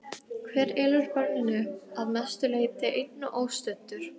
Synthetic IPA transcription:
kʰvɛːɾɛːlʏɾpœɾnɪnʏaðmɛst̪ʏleːjt̪ɪʔejnnːaʔoːwst̪ʏnt̪ʏɾ̥

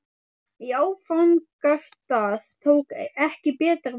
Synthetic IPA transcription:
iaːwfaŋkḁst̪aːθt̪ʰoːwkɛhcɪpɛːt̪aɾ

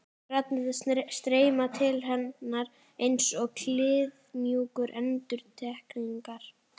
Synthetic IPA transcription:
rat̪nɪðɪst̪ɾeːjmat̪ʰɪlɦɛnːaɾ | ejnsɔɣkʰlɪːðmjuːkʏɾʔɛnt̪ʏɾt̪ʰɛhkniŋkaɾ̥

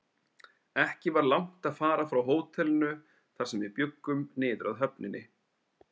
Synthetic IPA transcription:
ɛhcɪvaɾlawŋ̥t̪aðfaːɾafɾawɦoːwt̪ʰɛlʏnʏ | θaɾ̥sɛmvɪpjʏkːʏmnɪːðʏɾʔaðɦœpnɪnːɪ

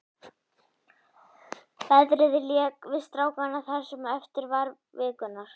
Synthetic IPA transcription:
fɛðɾɪðɪljɛːkvɪst̪ɾaːwkanaθɛsːʏmɛft̪ɪɾvaɾ | vɪːkʏnːaɾ̥

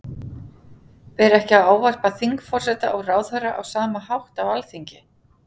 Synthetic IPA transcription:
pɛːɾɛhcɪawaːwvar̥paθiŋkfɔr̥sɛːt̪a̰ʔɔɣraːwðhœɾaʔawsaːmahawht̪awalθiɲcɪ

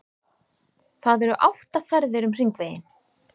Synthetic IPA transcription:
θaðɛɾʏʔawft̪afɛɾðɪɾʏmr̥iŋkveːjɪn

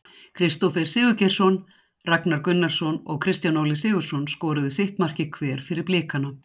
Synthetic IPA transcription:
kʰɾɪst̪ɔfɛɾ̥sɪːɣʏcɛr̥sɔn | raknaɾkʏnːaɾ̥sɔnɔ̰ɣkʰɾɪst̪janowlɪsɪːɣʏ̥sɔnskɔːɾʏðɪsɪht̪mar̥cɪkʰvɛːɾ̥fɪɾɪɾplɪːkana

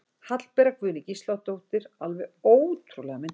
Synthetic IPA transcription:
hat̪lpɛɾakʰvʏːnɪcist̪lawt̪owht̪ɪɾ̥alvɛoːwt̪ʰɾulɛɣamɪn

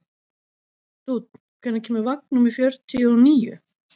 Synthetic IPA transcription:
t̪ut̪n | kʰvɛnacʰɛːmʏɾvak̚numifjœɾt̪ʰːiɔniːjʏ̰

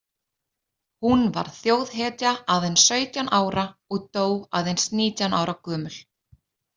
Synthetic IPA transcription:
hunva̰ɾ̥θjoːwðɦɛːt̪jaaðejnsœːɥt̪janʔaːwɾaɔɣt̪oːwɣa̰wðejnsniːt̪janʔa̰ːwɾʔakœːmʏl̥

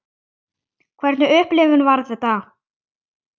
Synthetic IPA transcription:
kʰvɛɾt̪nʏʏhplɪːvʏnvaɾðɛt̪a

